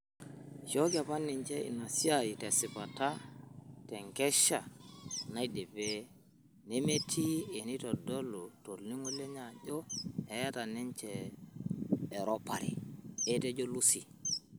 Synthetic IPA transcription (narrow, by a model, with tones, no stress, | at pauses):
ʃo˦ɡa˨pa˦nːi˨ɲt͡ʃe˦ḭ˨na˨si˦a˨ji˨te˨si˨pa˨ta˦te˨ŋkɛ˦ʃa˨na˦i˦de˨be˦ | ne˦me˦tʰi˦e˨ni˦to˨do˦lu˨to˨ɾni˦ŋu˦le˦ɲa˨d͡ʒo˦e˨ja˦ta˨ne˦ɲt͡ʃe˨ | ɾo˦pa˨ɾḭ˨e˦te˦d͡ʒo˦lu˦si˨